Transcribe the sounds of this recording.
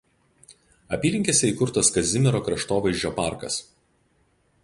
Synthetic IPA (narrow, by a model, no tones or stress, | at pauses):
ɐpʲiːlʲɪŋʲkʲeːsʲɛiːˑkʊɾt̪ɐskɐzʲɪmʲɛɾoːkɾɐʃt̪oːʋɐɪʒʲd͡ʒʲoːpaˑɾkɐ̰s